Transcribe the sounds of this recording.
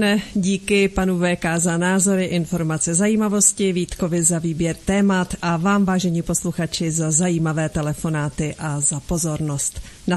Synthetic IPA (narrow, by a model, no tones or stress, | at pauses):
nɛɟiːkɪpanuvɛːkazanaːzo̞ɾɪʔɪnfo̞ɾmat͡sɛzajiːmavo̞scɪviːt̪ko̞vɪzaviːbjɛɾt̪ɛːmat̪ʔavaːmvaːʒɛɲiːpo̞sluxat͡ʃɪzazajiːmavɛːt̪ɛlɛfo̞naːt̪ɪʔazapo̞zo̞ɾno̞st̪ | na